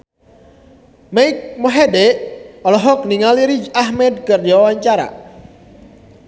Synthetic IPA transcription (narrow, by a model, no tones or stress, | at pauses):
maik̚moɦedɛʔɔlɔɦɔk̚niŋaliɾid͡ʒahmɛd̪̚kərd͡ʒawawaɲt͡ʃaɾa̰